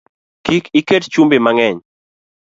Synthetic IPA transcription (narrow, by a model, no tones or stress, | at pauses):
kikikett͡ʃumbɪmaŋɛɲ